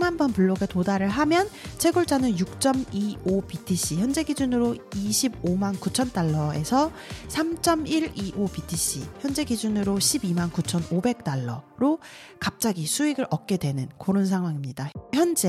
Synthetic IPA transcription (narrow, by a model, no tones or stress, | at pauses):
ŋmanbʌnpuɭːoɡe̞todaɾɯɭɦamjʌnt͡ɕʰe̞ɡuɭt͡ɕ͈anɯnjuk̚t͡ɕ͈ʌmiopitʰiɕ͈içjʌnd͡ʑe̞ɡid͡ʑunɯɾoiɕʰib̚omankut͡ɕʰʌnt͈aɭːʌe̞sʰʌ | sʰamt͡ɕ͈ʌmiɾiʔopitʰiɕ͈ḭçjʌnd͡ʑe̞ɡid͡ʑunɯɾoɕʰibimankut͡ɕʰʌnobe̞k̚t͈aɭːʌɾo | kap̚t͡ɕ͈aɡisʰuiɡɯɾʌk̚k͈e̞dwe̞nɯnkoɾons̬ʰaŋɦwaŋimɲidaçjʌnd͡ʑe